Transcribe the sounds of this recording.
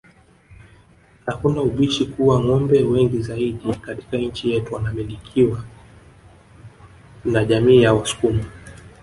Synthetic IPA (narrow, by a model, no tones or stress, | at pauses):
hakunauɓiʃikuwaŋɔmbɛwɛŋɡizaiɗikati̥kaɲ̩t͡ʃijɛtuwanamilikʰiwa | naʄamiːjawasu̥kuma